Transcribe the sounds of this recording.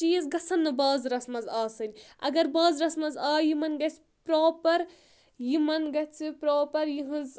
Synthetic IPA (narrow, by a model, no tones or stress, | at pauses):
t͡ʃiːzɡɐsʰɐnːɐbaːzɾɐsmɐzaːsɐnʲiɐ̰ɡɐɾbaːzɾɐsmɐzaːjimɐnɡɐt͡s | pɾoːpɐɾ | jimɐnɡɐt͡sʰɨpɾoːpɐɾjiɦɨz